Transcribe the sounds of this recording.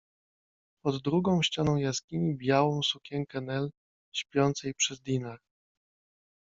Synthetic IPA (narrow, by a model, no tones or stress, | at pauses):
pɔd̪ːɾuɡɔ̃w̃ɕt͡ɕanɔ̃w̃jaskʲimʲibʲjawɔ̃w̃sukʲɛŋkɛnɛl | ɕpʲjɔnt̪sɛjipʂɛzd̪ʲinaɾ